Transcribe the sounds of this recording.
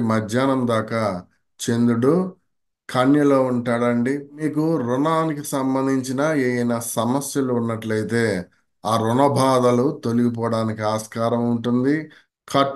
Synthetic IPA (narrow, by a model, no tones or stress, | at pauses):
mɐd͡ʒjaːnɐmd̪aːka | t͡ʃe̞nd̪uɽu | kʰɐnjɐlo̞ːuɳʈaːɽɐɳɖimiːkuɾunaːnikisɐmbɐnd̪ʱiɲt͡ʃinɐeːjɐnɐsɐmɐsjɐluunːɐʈlɐjt̪e̞ː | aːɾunɐbʱaːd̪ɐlut̪o̞luɡip̬ɔːɐɽaːnikiaːskaːɾɐmuɳʈund̪i | kʰɐʈ